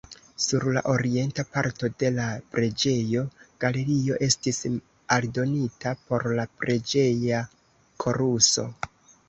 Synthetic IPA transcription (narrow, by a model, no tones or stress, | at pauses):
suɾla̰ʔo̞ɾie̞ntapaɾto̞de̞lapɾe̞d͡ʒe̞jo̞ɡ̥ale̞ɾio̞ʔe̞stis | aldo̞nitapo̞ɾlapɾe̞d͡ʒe̞ja | kʰo̞ɾuso̞̰